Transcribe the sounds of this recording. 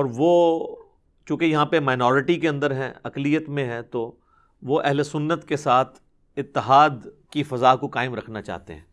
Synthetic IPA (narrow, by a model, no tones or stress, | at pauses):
ɔːɾʋoː | t͡ʃũːkejɐɦãpemaːɪnɔːɾɪʈikeɐ̃nd̪əɾɦɛ̰̃ɐklijət̪mẽɦɛ̃t̪o | ʋoʔɛɦlesʊnːət̪kesaːt̪ʰ | ɪt̪ːɪɦaːd̪ | kifɐzaːkokaːɪmɾɐkʰnat͡ʃa̰ːɦt̪ḛɦɛ̰̃ː